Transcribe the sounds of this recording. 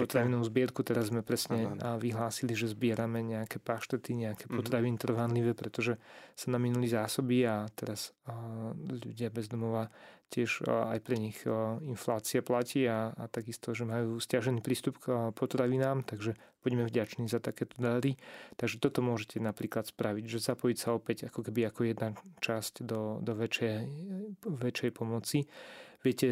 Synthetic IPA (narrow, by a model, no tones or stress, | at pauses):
pɔt̪ɾaʋinɔʊzbɪɛɾkut̪ɛɾazzmɛpɾɛsɲɛʋiɦlaːsiliʒɛzbɪɛɾamɛɲɛakɛpaʃt̪ɛt̪iɲɛakɛːpɔt̪ɾaʋinit̪r̩ʋanliʋɛpɾɛt̪ɔʒɛsanaminulizaːsɔbiat̪ɛɾas | ʎṵɟɪabɛzd̪ɔmɔʋacɪɛʃa̰jpɾɛɲixinflaːt͡siaplaciːaːt̪aɡist̪ɔʒɛmajuːscaʒɛniːpɾiːst̪upkpɔt̪ɾaʋinaːmt̪aɡʒɛb̥uɟmɛvɟat͡ʃniːzat̪akɛːt̪ɔ̥d̪aɾit̪aɡʒɛt̪ɔt̪ɔmʊɔʒɛcɛnapɾiːklat̪spɾaʋiɟʒɛzapɔjicsaɔpɛɟakɔkɛbiakɔjɛd̪nat͡ʃascd̪ɔd̪ɔʋɛt͡ʃɛ | ʋɛt͡ʃɛjpɔmɔt͡siʋɪɛcɛ